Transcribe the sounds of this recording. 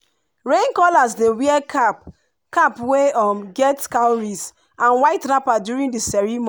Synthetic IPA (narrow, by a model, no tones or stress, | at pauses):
ɹẽŋkɔlazdewiɛkʰap | kapweɔmɡɛtkãɹis | ʔãnwaɪtnapadjuɹĩndisɛɹimɔ̃